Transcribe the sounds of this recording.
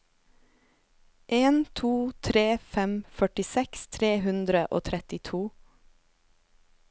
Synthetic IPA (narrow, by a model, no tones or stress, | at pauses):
ʔeːnt̪ʰuːt̪ʰɾeːfɛmfœʈɪsɛkst̪ʰɾeːhʉnd̪ɾəʔo̰ːt̪ʰɾɛt̪ɪt̪ʰuː